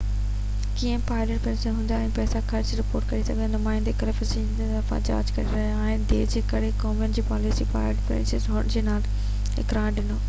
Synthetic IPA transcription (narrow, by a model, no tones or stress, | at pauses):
kiːə̃paːɪləʈ̚pɾẽːnsənɦũːnd̪aɛ̃ːpɛːsakʰɐɾt͡ɕɾɪpoːɾʈkɐɾisɐɡnʊmaːɪ̃nd̪ekɐɾepɪsĩ | eɐfã̰d͡ʑa̰ːd͡ʑkɐɾeɾɐɦiaːɦɪnɪd̪eːd͡ʑeːkɐɽ̤ekɔːmənd͡ʑiːpaːlɪsiːpa̰ːɪleʈpɾḛ̃nsezɦʊɽ̃d͡ʑeːnaːl | ɪ̰kɾãːɖɪnoː